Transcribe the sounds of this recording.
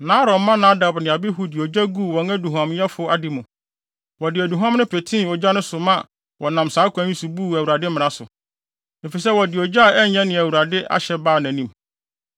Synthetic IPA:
nã˨˦ɾɔ˨mːã˦nã˦da˨bnɪ̃˨a˨bɪ˦ɦu˨˦dɪ˨ɔ˨d͡ʑa˦ɡu˦˨wɔ̃˨næ˦du˨ɦã˨mjɛ˦fʊ˨˦a˨dɪ˨mʊ̃˨ | wɔ˨dɪ˨æ˨du˨ɦã˦mnʊ̃˦pʰe˨tʰĩ˦˨ɔ˨d͡ʑa˦nʊ̃˦sʊ˨mã˦ | wɔ˨nã˨msaː˨˦kʷʰæ̃˨˦ĩ˦su˨bu˦˨æ˨wu˨ɾa˨dɪ˦mɪ̃˨ɾã˦sʊ˨ | ne˨fi˨sɛ˦wɔ˨dɪ˨ɔ˨d͡ʑa˦˨ɛ˦ɲɛ̃˦nɪ̃˨æ˨wu˨ɾa˨dɪ˦ʔa̰˦ɕɛ˨baː˦˨næ̃˨nĩ˦m

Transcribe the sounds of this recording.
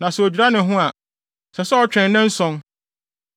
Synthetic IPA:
nã˨sɛ˨o˨d͡ʑᶣi˨ɾa˦nɪ̃˨ɦʊ̃˦a˨ | sɛ˨sɛ˦ɔ˨t͡ɕᶣɾɛ̃˨n˦nɛ̃˦n̩˦sɔ̃˦n

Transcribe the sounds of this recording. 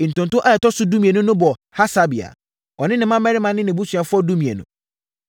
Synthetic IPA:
n̩˨tʊ̃˨ntʊ̃˦ʔa˦˨jɛ˨tɔ˦sʊ˦du˦mĩ˨ɛ˨nʊ̃˦nʊ̃˦bɔ˨ha˦sa˦bi˨a̰˨ | ɔ˨nɪ̃˦nɪ̃˨mã˦mɛ˦ɾɪ˦mã˨nɪ̃˦nɪ̃˨bu˦t͡ɕʰᶣɥa˨fʊ˦ɔ˦du˦mĩ˨ɛ̰˨nʊ̰̃˨

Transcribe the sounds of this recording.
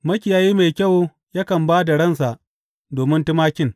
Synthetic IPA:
mɐ˦kʲɪ˨jaː˨jiː˦ma˨jkʲɐ˦˨w | ja˦kɐ˨mbaː˦da˨ɽɐ˦˨nsa˨ʔ | doː˨mɪ˦ntɪ˦maː˦kʲɪ˦˨ŋ

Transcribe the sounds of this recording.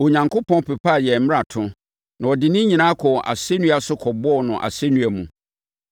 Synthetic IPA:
o˨ɲã˨ŋkʰo˦pʰɔ̃˦n˦pʰe˨pʰa˦˨jɛ˨m̩˦m˦a˨tʰʊ̃˦ | nã˨ɔ˨dɪ˨nɪ̃˦ɲĩ˨nã˦kʰɔ˨ʔa̰˨se˦nũ˦a˨sʊ˦kʰɔ˨bɔ˦˨nʊ̃˨ʔa̰˨se˦nũ˦æ˨mũ˨

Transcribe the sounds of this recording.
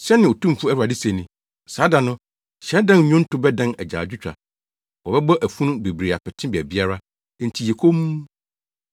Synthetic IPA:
ɕɛ˦nɪ̃˨o˨tʰũ˦m˦fu˦æ˦ɾu˨a˨dɪ˦sẽ˨nĩ˨ | saː˨˦dã˨nʊ̃˦ | ɕɛ˦dã˦n˨ɲᶣʊ̃˦n̩˦tʰʊ˦bɛ˦dã˦nɛ˨d͡ʑa̰ː˨d͡ʑᶣʊ˦t͡ɕᶣɾa̰˨ | wɔ˨bɛ˦bɔ˦ʔæ˨fũ˦nʊ̃˦be˨bɾi˨a˨pʰɛ˨tʰɪ̃˦bi˨ɛ˨bi˦a˦ɾa˦˨ | n̩˨tʰi˨jɛ˨kʰo˦mu˦

